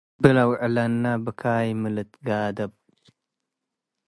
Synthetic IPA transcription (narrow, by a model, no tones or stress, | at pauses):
bɨlawʕlanːabɨkʰajmɨlɨt̪ɡad̪ɐb